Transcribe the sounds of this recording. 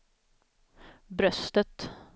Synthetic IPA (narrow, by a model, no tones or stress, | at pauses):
bɾœst̪ət̪